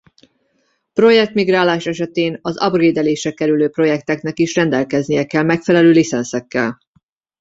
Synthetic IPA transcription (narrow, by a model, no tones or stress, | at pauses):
pro̞jɛk̚t̪miɡraːlaːʃɛʃɛt̪eːnɒzɒ̰breːd̪ɛleːʃɛkɛɾyløːpro̞jɛk̚t̪ɛknɛkiʃrɛnd̪ɛlkɛznijɛkɛlmɛkfɛlɛløːlisɛnsɛkːɛ̰l